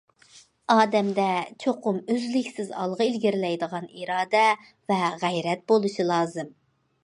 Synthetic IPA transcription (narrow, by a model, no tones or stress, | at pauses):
ɑːd̪ɛmd̪ɛt͡ʃʰoqʊmøzlɪkʲsɪzɑ̰lˠʁɨilɡʲiɾlɛjd̪əʁɑniɾɑːd̪ɛ | vɛʁæjɾɛt̪̚bolˠuʃɨlˠɑːzɨm